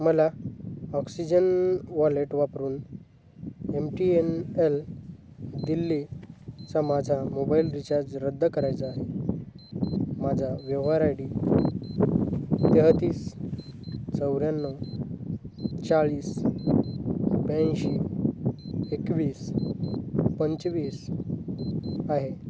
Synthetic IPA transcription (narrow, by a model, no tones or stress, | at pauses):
məlaɔksid͡ʑənʋɔleʈʋapɾuːn | emʈienel | d̪ilːit͡samad͡zʱamobailɾit͡ɕaɾd͡zɾəd̪ːkəɾajt͡saːɦe | mad͡zʱaʋjəʋɦaɾajɽi | t̪eɦt̪iːs | t͡səwɾjanːɔ | t͡saɭiːs | bjãɕi | ekʋiːs | pəɲt͡sʋiːs | aɦe